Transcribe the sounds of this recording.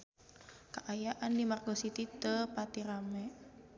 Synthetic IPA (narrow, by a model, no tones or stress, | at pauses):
kaʔajaʔandimarɡosit̪it̪əpat̪iɾamɛ